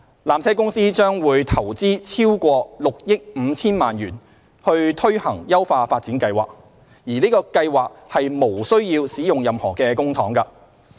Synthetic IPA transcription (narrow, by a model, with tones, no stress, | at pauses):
laː˨mt͡sʰɛː˥kʊ˥ŋsiː˥t͡ʃœː˥ŋwuː˨˧jt̪ʰɐ˨˩wt͡siː˥t͡sʰiː˥wkʷɔː˧lʊ˨k̚jɪ˥k̚m̩˨˧t͡sʰiː˥nmaː˨njyː˨˩n | hɵ˧ɥt̪ʰɵ˥ɥhɐ˨˩ŋjɐ˥wfaː˧faː˧t̚t͡siː˨˥nkɐ˧jwa̰ː˨k̚ | jiː˨˩niː˥kɔː˧kɐ˧jwaː˨k̚hɐ˨jmo˨˩wsɵ˥ɥjiː˧wsiː˨˥jʊ˨ŋjɐ˨mhɔː˨˩kɛː˧kʊ˥ŋt̪ʰɔː˨˥ŋkɐ˧